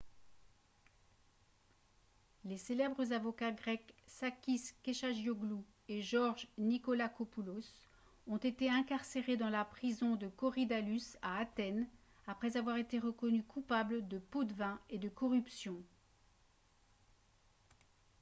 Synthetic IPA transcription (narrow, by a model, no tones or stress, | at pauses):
leselɛbʁəzavɔkaɡʁɛksakʲiskʲeʃaʒjoɡlu | eʒɔʁʒnikɔlakɔpulos | ɔ̃t̪et̪eɛ̃kaʁseʁed̪ɑ̃lapχizɔ̃d̪əkɔʁid̪alysaːt̪ɛn | apχɛzavwaʁet̪eʁəkɔnykʰupabləd̪əpod̪əvɛ̃ed̪əkɔʁypsjɔ̃